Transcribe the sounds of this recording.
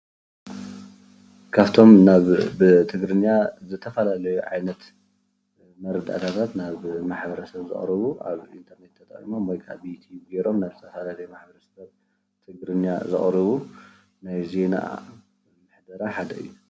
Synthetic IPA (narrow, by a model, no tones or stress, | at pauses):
kʰaβt̪ʰo̞mnaβt̪ʰɨɡɾɨnjazɨt̪ʰɐfɐlalɐjuʕa̰jnɐt̪ | mɐɾɨd̪ʼa̰t̪ʰat̪ʰat̪naβmaħbɐɾɐsɐβzɨ̰χʼɾɨβuʔa̰βḭnt̪ʰɐɾne̞t̪ʰːɐt̪ʼa̰χʼḭmo̞mwojkʼʰa̰bit̪ʰiɡeɾo̞mnaβzɨt̪ʰɐfɐlalɐjumaħbɐɾɐsɐsaβ | t̪ʰɨɡɾɨnjazɨχʼɾɨβu | najze̞na̰ | mɨħd̪ɐɾaħad̪ɐʔɨ̰jːu